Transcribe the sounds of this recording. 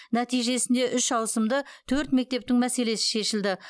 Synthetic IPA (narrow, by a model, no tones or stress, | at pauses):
næt̪ijʒe̞sɪnd̪e̞ʔʏʃʒɑw̪ˠsəmd̪ət̪ʰɵɾt̪me̞k̚t̪e̞p̚t̪ɪŋmæse̞le̞sɪ̥ʃe̞ʃɪld̪ɪ